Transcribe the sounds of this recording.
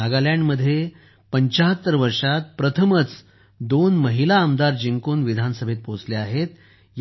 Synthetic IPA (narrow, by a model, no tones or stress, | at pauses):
aɡaljãɳɖməd̪ʱːje | pəɲt͡ɕaɦət̪ːəɾʋəɾʂat̪̚pɾət̪ʰəmət͡s | d̪onməɦilaəmd̪aɾd͡ʑiŋkuːnʋid̪ʱansəbʱet̪̚pot͡sleaɦet̪ | j